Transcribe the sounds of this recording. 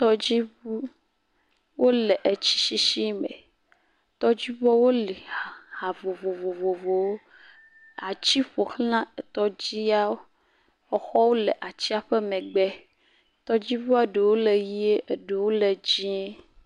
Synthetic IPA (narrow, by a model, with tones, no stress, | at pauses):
t̪ɔ˦d͡ʑi˦u˦ | wʔo˦le˨ʔe˨t͡ɕi̥˦ʃi˦ʃi˦mɛ̰˨ | t̪ɔ˦d͡ʑi˦vɔ˦wo˦lɛ˨ha˨vo˨vo˨vo˨vo˨vo˨wo˦ | a˨t͡ɕi˦ɸo˨xl̃ã˦e˨t̪ɔ˦d͡ʑi˦a˦o˦ | ɔ˨xɔ˦wo˦le˨ʔa˨t͡ɕi˦a˨ɸe˦mɛ̃˨ɡ͡bɛ˦ | t̪ɔ˦d͡ʑi˦vu˦e˦ɖe˨wo˦le˨ji˦e˦ʔe˨ɖe˨wo˦le˨d͡ʑi˦e˦